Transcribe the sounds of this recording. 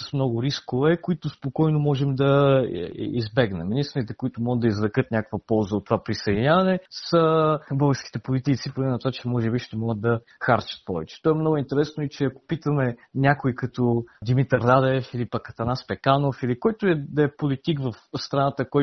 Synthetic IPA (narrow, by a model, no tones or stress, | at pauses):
səsmnɔɡʊɾiskovɛkoit̪ʊspokɔjnomɔʒɛmd̪ɐ | ḭzbɛɡnɛminist̪ɾnit̪ɛkʊit̪ʊmɔɡəd̪ɐizvɾɐkɤt̪nʲakəkvɐpɔlˠzəot̪ːovapɾisɐd̪inʲavɐnɛsəbɤlˠɡəɾski̥t̪ɛpolit̪it̪sipoɡlɛnɐt̪ovat͡ʃɛmɔʒɛbiʃt̪ɛmɔɡəd̪ɐ | xaɾt͡ʃɐ̥t̪̚pɔvɛt͡ʃɛ̥t̪ɔɛmnɔɡʊint̪ɛɾɛsnoit͡ʃɛɐko̥pit̪əmɛnʲakʊikɐt̪od̪imit̪əɾd̪ad̪ɛfilipɐkːɐt̪ɐnaspɛkanofilikɔjt̪ʊɛd̪ɐɛpolit̪ikvɐfst̪ɾɐnat̪əkɔj